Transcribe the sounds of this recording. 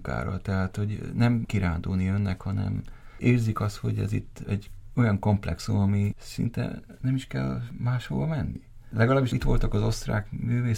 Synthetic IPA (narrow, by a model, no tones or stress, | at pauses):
ka̰ːɾɒ̰t̪ɛɦaːt̪ho̞ɟnɛmkiɾaːnd̪uːniønːɛkhɒnɛ̰m | eːrzikɒst̪ho̞̰ɟɛ̰zḭt̪ːɛɟːo̞jɒŋko̞mplɛ̰ksumɒmisḭnt̪ɛ̰ | nɛmiʃkɛ̰lmaːʃho̰ːvɒmɛnːilɛɡɒlaːbːiʃit̪ʋo̞lt̪ɒkɒzo̞st̪ra̰ːkmyːveː